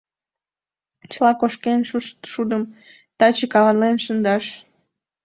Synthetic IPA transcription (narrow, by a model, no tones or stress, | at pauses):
t͡ɕəlɑkoʃkenʃuʃt̪ʃud̪əm | t̪ɑt͡ɕəkɑβɑnlenʃənd̪ɑʃ